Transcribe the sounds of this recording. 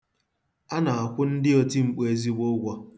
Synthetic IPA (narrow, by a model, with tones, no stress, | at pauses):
a˦na˨a˨kʷʊ˦n̩˦dɪ˦o˦ti˦ŋ͡m̩˨k͡pe˨˦zi˦ɡ͡bo˦ɡʷɔ˦